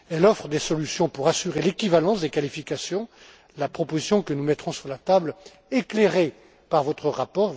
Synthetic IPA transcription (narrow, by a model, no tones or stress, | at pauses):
ɛlɔfχəd̪esɔlysjɔ̃puʁasyʁelekʲivalɑ̃sd̪ekalifikasjɔ̃ | lapχɔpozisjɔ̃kənumɛt̪χɔ̃syʁlat̪abl | ekleʁe | paʁvɔt̪χəʁapɔʁ